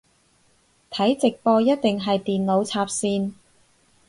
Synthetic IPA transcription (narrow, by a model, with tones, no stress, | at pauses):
t̪ʰɐ˨˥jt͡sɪ˨k̚pɔː˧jɐ˥t̚t̪ɪ˨ŋɦɐ˨jt̪iː˨nlo˨˧wt͡sʰaː˧p̚siː˧n